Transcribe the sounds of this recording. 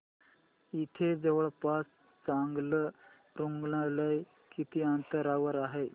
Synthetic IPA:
it̪ʰed͡zeʋəɭpas | t͡saŋɡlə | ɾuŋɡlaɾləj | kit̪iːant̪əɾaʋəɾaɦe

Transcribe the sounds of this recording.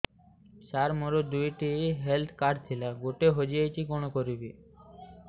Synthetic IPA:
saɾmoɾod̪ujʈiɦelt̪ʰkaɖt̪ʰilaɡoʈeɦod͡ʑiet͡ɕʰikonokoɾibi

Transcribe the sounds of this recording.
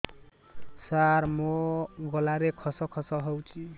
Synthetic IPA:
saɾmoɡʌlaɾekʰʌsʌkʰɔsʌɦʌwt͡sʰi

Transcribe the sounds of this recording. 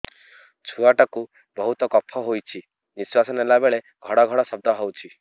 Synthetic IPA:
t͡ʃʰuaʈɔku | bɔɦut̪ɔkɔpʰɔɦojt͡ʃʰi | niswasɔnelabeɭe | ɡʱɔɽɔɡʱɔɽɔsɔb̚d̪ʱɔɦɔwt͡ʃʰi

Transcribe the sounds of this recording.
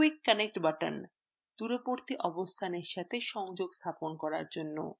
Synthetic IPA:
kikːanek̚ʈbaʈa̰n | t̪uɾopoɾt̪iʔɔbost̪ʰaneɾʃat̪ʰeʃɔŋd͡ʑoɡst̪ʰaponkɔɾa̰ɾd͡ʑonːo̰

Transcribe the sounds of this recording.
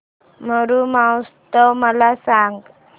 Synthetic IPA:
məɾumawst̪əwməlasaŋɡ

